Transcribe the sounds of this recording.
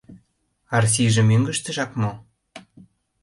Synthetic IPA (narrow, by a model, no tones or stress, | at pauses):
ɑrs̬iʒə̆myŋɡə̆ʃt̪ə̆ʒɑkmo